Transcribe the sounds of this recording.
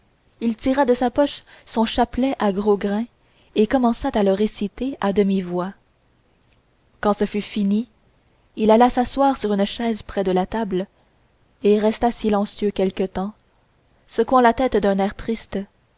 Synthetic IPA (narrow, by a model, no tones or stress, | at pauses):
ilt̪iʁad̪əsapɔʃsɔ̃ʃaplɛʔaɡʁoɡʁɛ̃ | ekɔmɑ̃sat̪aləʁesit̪ead̪əmivwa | kɑ̃səfyfini | ilalasaswaːʁsyʁynʃɛːzpχɛd̪əlat̪abl | eʁɛst̪asilɑ̃sjøkʲɛlkət̪ɑ̃ | səkwɑ̃lat̪ɛt̪d̪ɛ̃nɛːʁt̪χist̪